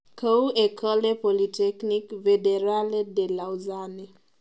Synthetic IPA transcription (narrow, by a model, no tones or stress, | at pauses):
kʰəwekʰɔlepolitɛknikvedeɾaledelawzane